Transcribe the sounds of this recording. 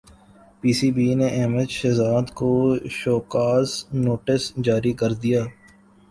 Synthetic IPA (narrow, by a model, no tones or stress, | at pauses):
piːsiːbiːneʔɛɦməd̪ʃɛːzaːd̪koʃoːkaːsnoːʈɪsd͡ʒaːɾikəɾd̪ijaː